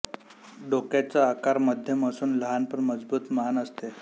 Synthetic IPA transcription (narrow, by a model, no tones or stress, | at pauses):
ɖokjat͡saːkaɾməd̪ʱjəməsuːnləɦanpəɾməd͡zbuːt̪məɦanəst̪e